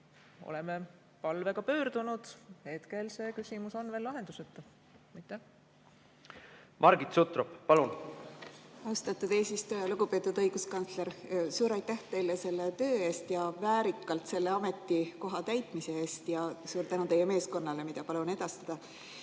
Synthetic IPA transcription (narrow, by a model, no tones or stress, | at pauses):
o̰leme | pɑlve̞ɡ̥ɑpø̞ːɾd̪̥unud̪̥he̞t̪kelse̞ːkysʲimuso̞nve̞ːlːɑɦe̞nd̪̥uset̪ː | ɑjt̪ːæ | mʔɑɾɡit̪sut̪ɾoppɑlun | ɑwst̪ɑt̪ːˑud̪̥e̞ːsist̪ujɑluɡ̥upe̞ːt̪ːˑud̪ɤjɡ̥uskɑnsle̞ɾsuːɾɑjt̪ːæht̪e̞jlese̞lːet̪ø̞ːe̞ːst̪jɑvæːɾikːˑɑlt̪se̞lːeɑme̞t̪ːˑiko̞ɦɑt̪æjt̪ˑmise̞eːst̪jɑsuːɾt̪ænut̪e̞jːeme̞ːsko̞nːɑle̞mid̪̥ɑpɑluɑne̞d̪̥ɑst̪ɑd̪̥ɑ